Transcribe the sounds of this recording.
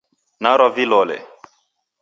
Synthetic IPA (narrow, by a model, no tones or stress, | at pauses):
naɾɔvilɔlɛ̰